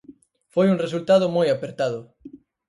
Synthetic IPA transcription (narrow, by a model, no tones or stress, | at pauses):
fojuŋres̬ult̪að̞ʊmojapeɾt̪að̞ʊ